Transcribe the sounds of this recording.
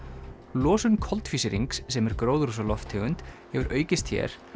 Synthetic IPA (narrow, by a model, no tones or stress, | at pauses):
lɔːsʏnkʰɔlt̪fiːsɪɾḭŋkssɛmɛɾkɾoːwðɾusalɔft̪ʰɪɣʏnt̪hɛvʏɾʔœːɥcɪst̪çɛ̰ɾ̥